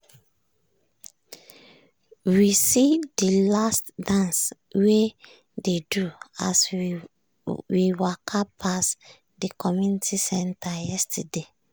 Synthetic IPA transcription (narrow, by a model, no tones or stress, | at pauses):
wisidilastdãns | we | dedua̰s | wiwakʰapʰas | dikʰɔmjunitʰisɛ̃ntʰajɛstade